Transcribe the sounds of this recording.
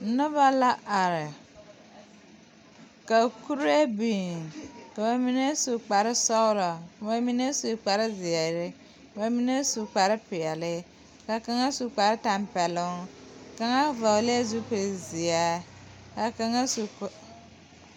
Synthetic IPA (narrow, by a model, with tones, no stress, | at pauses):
nʊ˦ba˦la˦ʔa˨ɾɪ˨ | ka˨ku˦ɾe˦bi˨ka˨ba˨mi˦ne˦su˨k͡pa˨ɾɪ˦sɔ˦wlɔ˨ba˦mi˦ne˦su˨k͡pa˨ɾɪ˦zɪ˨a˨ɾɪ˦ | kba˨mi˦ne˦su˨k͡pa˨ɾɪ˦pɪ˨a˨lɪ˦ | ka˨ka˨ŋa˦su˨k͡pa˨ɾɪ˦ta˨mpɛ˨lʊ˦ŋka˨ŋa˦va˨le˦e˦zu˦pi˨ɾɪ˨zɪ˨a˦ | ka˨ka˨ŋa˦su˨